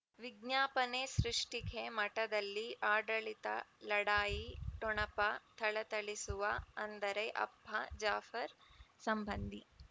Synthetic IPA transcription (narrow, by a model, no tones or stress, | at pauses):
ʋiɡ̚ɲaːpɐnesɾiʂʈikʰemɐʈɐd̪ɐlːiʔaːɖɐɭit̪ɐ̰lɐɽaːjiʈɔɳɐpɐt̪ʰɐɭɐt̪ɐɭisuʋɐɐnd̪ɐɾeʔɐ̰bʱːɐd͡ʒaːfɐɾsɐmbɐnd̪ʱi